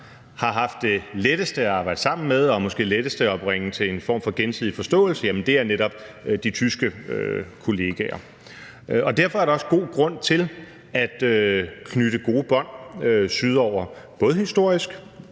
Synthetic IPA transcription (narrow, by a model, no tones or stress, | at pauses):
hɑ̈ɦɑ̈fd̥ːe̝leɾ̥əsd̥əæɑ̈ːbɑ̈ɪ̰d̥sɑ̈m̰n̩meðˠɒ̽mɒ̽sɡ̥e̝̰ːleɾ̥əsd̥əɒb̥ʁeŋət͡sʰe̝e̝nfɒ̰ːmfɒ̽ɡ̥ensið̰ˠifɒ̽sd̥ɔ̰̽ːl̩səjæmənd̥e̝æɐneɾɒ̽b̥̚d̥it͡sʰysɡ̥əøkʰo̝le̝ɡ̥ɛɐ | ɒ̽d̥æɐfɒ̽æɐɾ̥ɑɒ̽səɡ̥o̝̰ːɡ̥ʁɔ̽n̰t͡sʰe̝l | æd̥økʰnyɾ̥əɡ̥o̝ːb̥ɒ̽n̰øsyð̞ˠɒʊ̰ɐb̥ɔ̽ːð̞̩ˠhisd̥o̝ɐ̰isɡ̥